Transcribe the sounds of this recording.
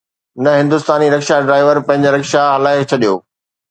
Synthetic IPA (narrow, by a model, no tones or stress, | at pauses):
nɐɦɪ̃nd̪ʊst̪aːniɾɐkʃaɖɾaːɪʋəɾpɐ̃ɦɪ̃ɲ̆d͡ʑəɾɐkʃaɦɐlaːɪkt͡ɕʰɐɗijo̰ː